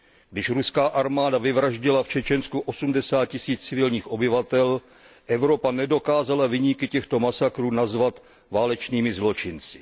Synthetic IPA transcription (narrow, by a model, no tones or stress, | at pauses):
ɡdɪʃɾuskaːʔaɾmaːdavɪvɾaʒɟɪlaft͡ʃɛt͡ʃɛnskuʔo̞sumdɛsaːt̪̚cɪsiːt͡st͡sɪvɪlɲiːxʔo̞bɪvat̪ɛl | ʔɛvɾo̞panɛdo̞kaːzalavɪɲikɪcɛxt̪o̞masakɾuːnazvat̪ | vaːlɛt͡ʃniːmɪzlo̞t͡ʃɪnt͡sɪ̥